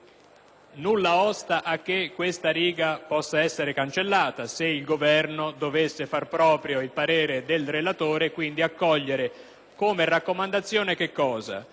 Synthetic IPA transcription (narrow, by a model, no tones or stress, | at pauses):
nulːaɔst̪aʔakːekːwest̪aɾiːɡapɔsːaɛsːeɾekant͡ʃelːaːt̪aseilɡovɛrnod̪ovesːefarpɾɔːpɾjoilpaɾeːɾed̪elrelat̪oːɾekwind̪iakːɔʎːeɾe | koːmerakːomand̪at̪sːjoːnek̟ekːɔːza̰